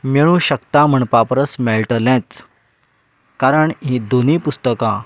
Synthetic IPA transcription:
meɭ̃ũɕəkt̪am̤əɳpapɾəsmelʈəlɛ̃t͡s | kaɾəɳɦĩd̪onipust̪əkã

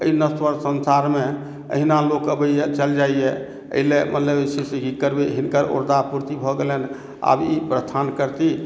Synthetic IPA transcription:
əinəswəɾsənsaɾme | ə̰ɦinalokəbəjɛt͡ʃəld͡ʒaijɛ | ə̰ɦilemʔə̰t̪ləbsisiɦikːəɾbeɦinkəɾo̰ɾd̪apuɾt̪ibʱɔɡelen | a̰bipɾəst̪ʰankəɾt̪i

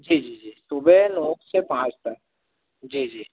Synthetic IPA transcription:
d͡ʒiːd͡ʒiːd͡ʒiːsubenɔ̃ːksepãːt͡ʃt̪ək | d͡ʒiːd͡ʒiː

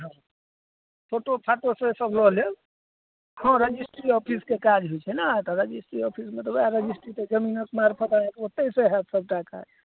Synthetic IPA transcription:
ɦɔ̃ | t̪ʰoʈopʰaʈosʌ̃səblɔɦlel | hɔ̃ɾed͡ʒisʈɾiɔpʰiskekad͡ʒɦujt͡ʃʰɛnat̪ɔɾed͡ʒisʈɾiɔpʰismet̪ɔbeaɾed͡ʒisʈɾit̪ed͡ʒəminəkmaɾpʰət̪aek̪ot̪ːesẽɦɛt̪səb̚ʈaka̰d͡ʒ

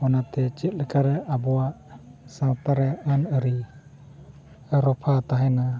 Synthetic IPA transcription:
ɔnat̪ɛt͡ʃɛt̪̚lɛkaɾɛʔabɔwaʔsãwt̪aɾɛənəɾi | əɾɔpʰat̪aɦɛna

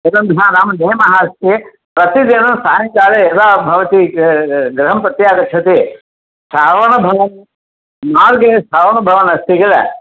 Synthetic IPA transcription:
ɐɾɐnd̪ʱaɾaːmneːmɐɦaɐst̪e | pɾɐt̪id̪inũsaːjɐŋkaːɾeɐd̪aːbʱɐʋɐt̪i | ɡɾɐɦɐmpɐt̪jaːɡɐt͡ʃʰɐt̪e | saːʋɐɳɐbʱɐʋɐn | maːlɡɐesaːʋɐɳɐbʱɐʋɐnɐst̪iɡɐlḛ

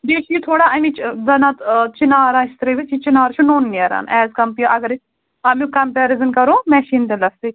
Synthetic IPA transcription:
deːt͡ʃit̪ʰoːɽaɐmĩt͡ʃd̪ɐnat̪t͡ʃinaːɾãːɪst̪ɾeʋit͡ʃit͡ʃɪnaːɾt͡ʃʰunoːnːiɐɾa̰ːnɛːzkɐmpijʔɐɡəɾ | ɐmĩkɐmpɛːɾɪzənkɐɾõːmɛːʃiːnt̪elɐsi

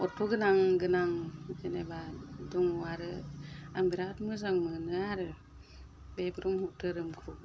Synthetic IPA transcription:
ɔtʰoɡɯnaŋɡɯnaŋd͡ʒenebaduŋuaɾɯambiɾatmɯzaŋmɯnɯaɾɯ | bebɯɾuŋhuʔ̚tʰɯɾɯmkʰɾu

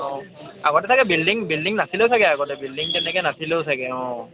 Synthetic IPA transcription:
ɔ̃aɡɔʈɛt̪akɛbilɖiŋbilɖiŋnasilewsaɡɛaɡɔʈɛbilɖiŋʈɛnɛkɛnasilewsaɡɛɔ̃

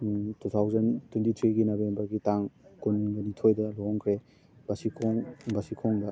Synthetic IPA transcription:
tutʰawzɐntwentit̪ʰɾiɡinobembɐɾɡitaŋkunmiŋɡɐnitʰojdɐloŋkʰɾe | b̥ɐsikʰoŋbɐsikʰoŋdɐ

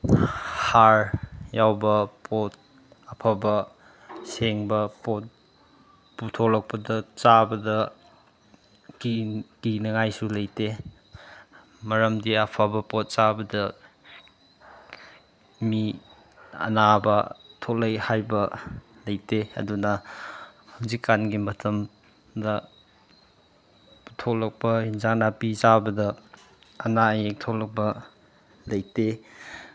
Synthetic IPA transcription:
haɾjawbɐpʰot̚ | ɐpʰabɐ | seŋbɐpot̚ | putʰolɐk̚pɐdɐt͡ʃabɐdɐ | kikinɐŋajsulɐjte | mɐɾɐmdiɐpʰabɐpot̚t͡ʃabɐdɐ | mi | ɐ̰nabɐtʰolɐjhajbɐlɐjteɐ̰dunɐ | hawzikːanɡimɐtʰɐm | dɐ | tʰolɐk̚pɐinzaŋ̚napizabɐdɐː | najek̚tʰolɐk̚bɐ | lɐjte

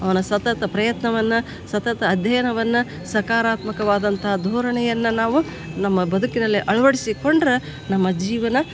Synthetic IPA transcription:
ɐʋɐnɐsɐt̪ɐt̪ɐpɾɐjɐt̪nɐʋɐnːɐ | sɐt̪ɐt̪ɐːd̪ʱjɐjɐnɐʋɐnːɐ | sɐkaːɾaːt̪mɐkɐʋaːd̪ɐnt̪ʰɐɦɐd̪ʱoːɾɐɳɛjɐnːɐnaːʋu | nɐmːɐbɐd̪ʱukinɐlːiʔɐɭɐʋɐɽisiko̞ɳɖɾɐ | nɐmːɐd͡ʒiːʋɐnɐ

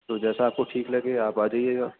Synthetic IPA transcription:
t̪oːd͡ʒɛːsaːp̚koʈʰiːklɐɡeːaːpaːd͡ʒaieːɡaː

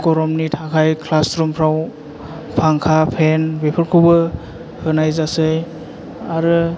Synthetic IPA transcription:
kɔɾɔmnitʰakʰajkʰlastɾumpʰɾaw | pʰaŋkʰapʰenbepʰɯɾkʰubɯ | hɯnajzasɯj | aɾɯ

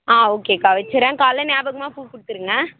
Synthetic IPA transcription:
aːoːkeːkaːʋɐt͡ʃːɐɾɛ̃ːkaːlɐnaːbɐɣɐmaːpuːkʊɽɯt̪ːɯɾɯŋɡɐ

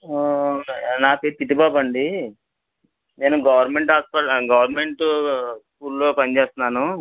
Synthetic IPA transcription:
naːpeːɾt̪iʈ̬ːibaːbɐɳɖi | ne̞ːnuɡɐʋɐɾnme̞ɳʈaːspɐɡɐʋɐɾme̞ɳʈuskuːɾlo̞ːpɐnit͡ʃeːst̪unːaːnu

